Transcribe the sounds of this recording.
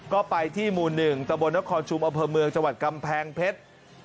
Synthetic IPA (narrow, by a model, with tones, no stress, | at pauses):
kɔː˥˩pa˧jt̪ʰiː˥˩muː˨˩nːɯ˨˩ŋt̪a˧mbo˧nːa˦˥kʰɔː˧nt͡ɕʰu˧mʔa˧mpʰɤː˧mɯ˧əŋt͡ɕa˧ŋwa˨˩t̪̚ka˧mpʰɛː˧ŋpʰe˦˥t̪̚